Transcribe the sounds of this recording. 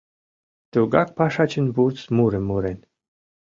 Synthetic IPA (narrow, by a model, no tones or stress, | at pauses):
t̪uɡak̚paʂat͡ʃinbuɾt̪smuɾɨmuɾɛnʲ